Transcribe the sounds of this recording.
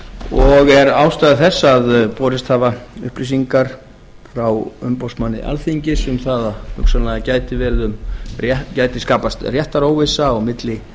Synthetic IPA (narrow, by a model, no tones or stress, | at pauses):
ɔɣɛɾaːwst̪ajðɪθɛsːaðpɔːɾɪst̪haːvaʏ̰hpɾis̬iŋkaɾ̥ | fɾawʏ̰mpowsmanːɪ̰ʔa̰lθiɲcɪsʏmθaðahʏksalaɣacaːjt̪ɪvɛɾðʏmrɛcaːjt̪ɪskaːpast̪rjɛht̪aɾoːwvɪsaɔɣmɪt̪lɪ